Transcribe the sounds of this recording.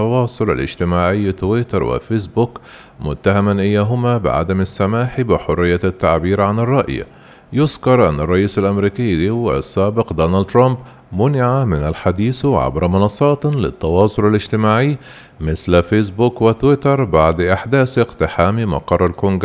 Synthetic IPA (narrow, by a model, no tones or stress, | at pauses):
ɑwɑːsˤʊla̰lɪ̰d͡ʒt̪ɪmaːʕɪjːt̪wɪt̪ɑɾˤwɪ̰fesbuːk | mʊ̰t̪ːahamanʔɪjːaːɦʊmabɪ̰ʕa̰d̪amasːamaːħibɪħʊrːɪjːat̪ːaʕbiːɾʕanɪrˤːɑʔj̰ | jʊzkɑɾˤʔa̰nːɑrˤːɑʔiːsalʔæmɾiːkɪjːliwɪ̰sːaːbɪqd̪oːnald̪t̪ɾɑmb | mʊnɪʕamɪnalħad̪iːsʕa̰bɾɑmʊnɑsˤːɑːt̪lɪ̰t̪ːɑwɑːsˤʊlalɪd͡ʒt̪ɪmaːʕɪjː | mɪslfeːs̬buːkwɪt̪wɪt̪ɑɾˤbaʕd̪ʔaħd̪aːsʔɪqt̪ɪħaːmimɑ̰qɑrˤːalkʊŋɡ